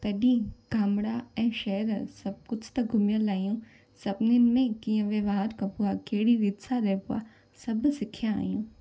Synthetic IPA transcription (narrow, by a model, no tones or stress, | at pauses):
t̪ɐɗĩːɡaːmɽaɛ̃ːʃɛːɾsɐb̚kʊd͡ʒʰt̪ɐɡʱʊmjəlaːjũ | sɐbnɪnmẽkiːə̃ʋeʋaːɾkɐpʊakeːɽiʋɪd̪sʰaɾɛːpʊa̰ | sɐbsɪkʰjãa̰ːjũː